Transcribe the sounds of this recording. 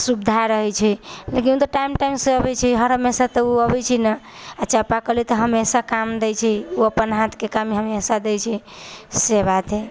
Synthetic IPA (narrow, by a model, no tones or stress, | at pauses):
subd̪ʱaeɾəɦɛt͡ʃʰɛlek̬inut̪oʈajmʈajmseəbɛt͡ʃʰiɦəɾɦəmesat̪əuəbɛt͡ʃʰinəət͡ʃʰapakəlit̪əɦəmesakamd̪ɛjt͡ʃʰɛuəpːənɦãt̪ʰkekamiɦəmesad̪ɛjt͡ʃʰɛ | seβat̪ʰe